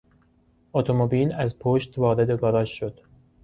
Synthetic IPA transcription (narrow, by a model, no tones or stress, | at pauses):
ot̪ʰomobiːlæzpʰoʃt̪vɒːɾe̞d̪eɡɒːɾɒːʃːo̞d̪̥